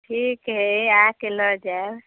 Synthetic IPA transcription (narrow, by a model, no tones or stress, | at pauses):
ʈʰikɦeakelɔd͡ʒaeb